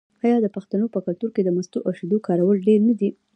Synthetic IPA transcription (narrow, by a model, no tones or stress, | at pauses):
ɑjɑd̪əpaxt̪anopəkalt̪uɾked̪əmast̪uʔaʃed̪okɑɾawəlɖeɾnad̪i